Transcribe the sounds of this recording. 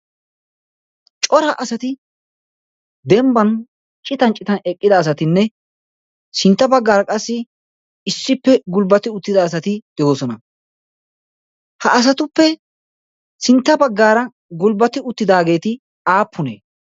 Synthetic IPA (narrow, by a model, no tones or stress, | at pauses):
t͡ʃʼɔɾɐʔɐsɐt̪ɪ | d̪ɛmbɐn | t͡ʃʼːɪt̪ɐnt͡ʃʼɪt̪ɐnɛkʼːɪd̪ɐːs̬ɐt̪ɪnːɛ | sɪnt̪ːɐbɐɡːaːɾɐkʼɐsːɪ | ɪsːɪpːɛɡʊlbɐt̪ɪʊt̪ːɪd̪ɐːs̬ɐt̪ɪd̪̥ɛjoːsɔnɐ | hɐʔɐs̬ɐt̪ʊpːɛ | sɪnt̪ːɐbɐɡːaːɾɐ | ɡʊlbɐt̪ɪʊt̪ːɪd̪aːɡe̞ːt̪ɪ | aːpʰːʊnḛː